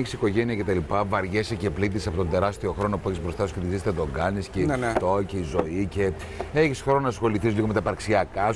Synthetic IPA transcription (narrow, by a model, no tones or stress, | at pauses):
çisiko̞ʝeniɐcet̪ɐlipɐvɐɾʝesece̞plit̪isɐpo̞t̪ond̪e̞ɾɐst̪ioxɾo̞no̞pueçispɾo̞st̪ɐsket̪izist̪eðo̞ɡɐniscet̪o̞ceizo̞ice̞ | eçisxɾo̞nonɐsxo̞liθizliɣome̞t̪ɐpɐɾksiɐkɐ